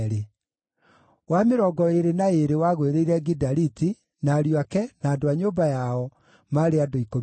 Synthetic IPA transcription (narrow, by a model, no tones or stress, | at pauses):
ɾe | wameɾɔɡɔeɾenaeɾewaɣweɾeiɾɛɡidaɾiti | naːɾjoakɛnaːdoaɲoːbajaɔ | maɾeadoiko